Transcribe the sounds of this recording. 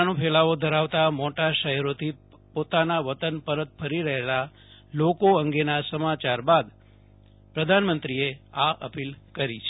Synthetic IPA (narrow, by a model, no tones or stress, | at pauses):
nõpʰɛlaʋod̪ʱəɾaʋt̪amoʈaʃəɦɛɾot̪ʰi | pot̪anaʋət̪ənpəɾət̪̚fʰəɾiɾəɦela | lokoəŋɡenasəmat͡ʃaɾbad̪ | pɾəd̪ʱanmənt̪ɾieaʔə̰pilkəɾit͡ʃʰ